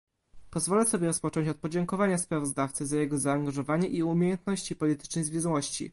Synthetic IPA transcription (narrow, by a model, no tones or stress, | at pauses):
pɔzvɔlɛsɔbʲjɛɾɔspɔt͡ʂɔ̃ɲt͡ɕɔt̪̚pɔd͡ʑɛŋkɔvaɲaspɾavɔzd̪aft̪sɘzajɛɡɔzaːŋɡaʐɔvaɲɛʔiumʲejɛnt̪nɔɕt͡ɕipɔlʲit̪ɘ̥t͡ʂnɛjzvʲɛzwɔɕt͡ɕḭ